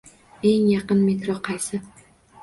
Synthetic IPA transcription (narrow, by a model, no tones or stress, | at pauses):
eŋjɑqɨnmet̪ɾoqʰɑjsɪ